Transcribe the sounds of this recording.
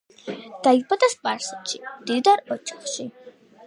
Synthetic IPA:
d̪̥aibad̪aspʼaɾsɛt̪ʃid̪̥ivd̪aɾɔt͡ʃʰḁχʃi

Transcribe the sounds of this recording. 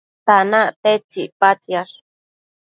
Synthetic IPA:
t̪anat̪et͡ʃipat͡sjaɾ

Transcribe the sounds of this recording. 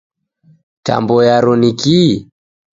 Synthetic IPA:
ta̰mbɔjaɾɔniki

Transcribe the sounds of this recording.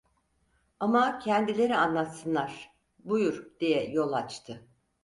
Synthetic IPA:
amacʰɛnd̪ilʲe̞ɾianlˠat̪sɯnlˠaɾ̥ | bujuɾd̪̥ijɛjo̞lˠat͡ʃt̪ʰɯ

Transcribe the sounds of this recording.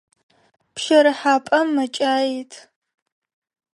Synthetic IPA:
pʰʃɐɾɨħaːpʼɐmːɐt͡ʃʼaːjitʰ

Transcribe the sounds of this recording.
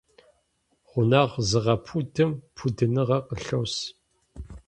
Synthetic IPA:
ʁʷʊnaːʁzɨʁɐpʰudɨmpʰudɨnɨʁɐqəɬɐws

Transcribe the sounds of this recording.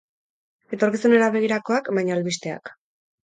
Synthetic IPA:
e̞t̪o̞ɾkisune̞ɾaβe̞ɣ̞iɾako̞akbajɲaːlβist̪e̞a̰k

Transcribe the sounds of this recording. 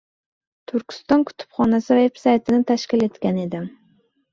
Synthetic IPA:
t̪ʰʊɾkʲɪ̥st̪ɒnkʲʰʊ̥t̪ʰɪ̥pχɒnasɪvepsajt̪ʰɪnɪt̪ʰaʃkʲɪle̞t̪kʲaned̪ɪm

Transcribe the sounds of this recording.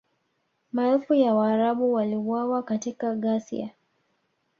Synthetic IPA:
maɛlfujawaːɾaɓuwaliwawakatikaɠasḭa̰

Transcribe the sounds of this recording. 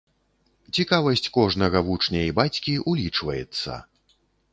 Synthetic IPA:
t͡sʲikavɐsʲt͡sʲkɔʐnɐɣɐvut͡ʂnʲɐibat͡sʲkʲiʔulʲit͡ʂvɐjɛt̪sːɐ̰

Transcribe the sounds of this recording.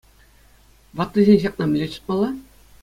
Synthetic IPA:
ʋɑt̪ːɤʑʲenʲʑɑq̚nɑmʲɘ̆lʲet͡ɕɯ̥t̪̚mɑlˠːɑ

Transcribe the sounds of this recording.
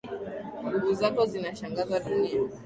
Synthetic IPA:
ŋɡuɣuzakɔzinaʃaŋɡazaɗua

